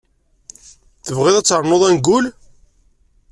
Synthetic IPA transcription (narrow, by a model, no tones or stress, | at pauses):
θəvʁɪðæt͡sːəɾˤnoðˤænɡːʊl